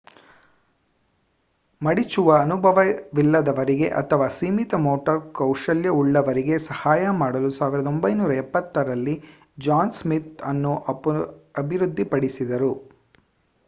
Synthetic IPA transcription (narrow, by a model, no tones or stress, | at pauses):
mɐɽit͡ʃuʋɐːnubʱɐʋɐʋilːɐd̪ɐʋɐɾiɡe̞ʔɐ̰t̪ʰɐʋaːsiːmit̪ɐmoːʈɐɾkɐwʂɐljɐuɭːɐʋɐɾiɡe̞sɐhaːjɐmaːɽɐlusaːʋiɾɐd̪o̞mbɐjnuːɾɐɛpːɐt̪ːɐɾɐlːi | d͡ʒaːnsmit̪ɐnːu | ɐbʱiɾud̪ʱːipɐɽisid̪ɐɾu